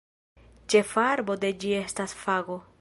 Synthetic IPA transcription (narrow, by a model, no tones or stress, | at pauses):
t͡ʃe̞faɾbo̞d̪e̞d͡ʒie̞stasfaɡo